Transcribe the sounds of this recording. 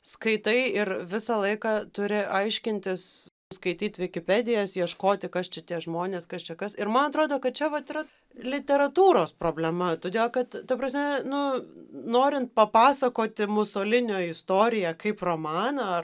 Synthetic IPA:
skɐɪt̪ɐɪɪrʋʲɪsɐlˠɐɪkɑt̪ʊɾʲɪʔɐɪʃʲkʲɪnʲt̪ʲɪs | skɐɪtʲiːt̪ʲʋʲɪkʲɪpʲæd̪ʲɪjɛsjiɛʃkoːt̪ʲɪkɐst͡ʃʲɛt̪ʲiɛʒmoːnʲeːskɐst͡ʃʲɛkɐsɪɾmɐnɐt̪ɾoːd̪oːkɐt̪̚t͡ʃʲɛʋɐt̪ɪɾɐ | lʲɪt̪ʲɛɾɐt̪uːɾoːspɾoːbʲlʲɛmɐt̪oːd̪ʲeːlˠkɐt̪t̪ːɐpɾɐsʲmʲɛnʊnoːɾʲɪnt̪̚pɐpɑːsɐkoːt̪ʲɪmʊsoːlʲɪnʲoːɪst̪oːɾʲɪjɛkɐɪproːmɑːnɐɐ

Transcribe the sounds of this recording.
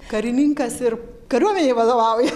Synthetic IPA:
kɐɾʲɪnʲiŋkɐsɪɾ | kɐɾʲuɔmʲɛnʲeʋɐd̪oːʋɑˑʊjɛ

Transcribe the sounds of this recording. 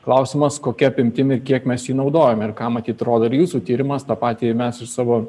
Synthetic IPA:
klˠɐʊsʲɪmɐskoːkʲɛɐpʲɪmʲt̪ʲɪmɪɾkʲiɛkmʲɛsjiːnɒʊd̪oːjoːmɪɾkɑːmɐt̪ʲiːt̪ɾoːd̪oɪɾjuːsuːt̪ʲiːɾʲɪmɐst̪ɑpɑːt̪ʲiːmʲɛsɪʃsɑːʋoː

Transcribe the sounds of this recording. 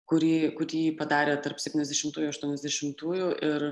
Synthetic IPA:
kʊɾʲiːkʊɾʲiːpɐd̪ɑːɾʲeːt̪ɐɾpsʲɛpʲt̪ʲinɛzd̪ʲɛʃʲɪmt̪uːjuːɐʃt̪uɔnʲɛzd̪ʲɛʃʲɪmt̪uːjuːʔɪɾ

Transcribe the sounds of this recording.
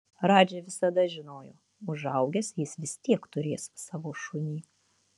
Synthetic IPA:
ɾɑːd͡ʒʲɛʋʲɪsɐd̪ɐʒʲɪnoːjoː | ʊʒɐʊɡʲɛsjɪsʋʲɪst̪ʲiɛkt̪ʊɾʲeːssɑːʋoːʃʊnʲiː

